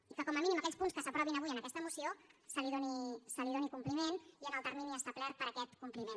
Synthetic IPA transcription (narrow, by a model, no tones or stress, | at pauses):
ikəkɔməminiməkɛʎspunskəsəpɾɔβinəβujənəkɛst̪əmusiosəliðonisəliðonikumplimeniənəlˠt̪əɾminiəst̪aplɛr̚pəɾəkɛt̪kumplimen